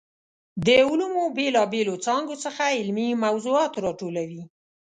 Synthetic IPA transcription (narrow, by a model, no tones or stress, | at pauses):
d̪əʊlumobelɑbelot͡sɑŋɡosəxaɪlmimawzuɑt̪ɾɑʈolawi